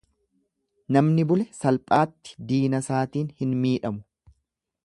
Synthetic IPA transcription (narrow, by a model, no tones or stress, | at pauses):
nɐmnɪbʊlɛsɐlpʼaːt̪ːɪ̥d̪iːnɐsaːt̪iːnhɪnmiːᶑɐmʊ̥